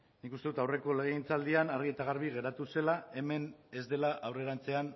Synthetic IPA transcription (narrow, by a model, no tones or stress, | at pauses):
nikust̪e̞ut̪awre̞ko̞le̞ɣeint͡sald̪ianaɾɣie̞t̪aɣ̞aɾβiɣe̞ɾat̪use̞lae̞me̞ne̞zd̪e̞laʔawre̞ɾant͡se̞an